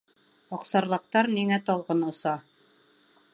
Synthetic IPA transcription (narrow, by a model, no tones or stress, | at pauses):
ɒqsɑɾlˠɤ̆q̚t̪ɑɾniŋæt̪ɒlˠʁɤnŏsɑ